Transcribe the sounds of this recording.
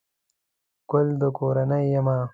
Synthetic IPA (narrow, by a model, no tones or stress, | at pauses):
kʊld̪əkoːɾɐnɐjːɐmaː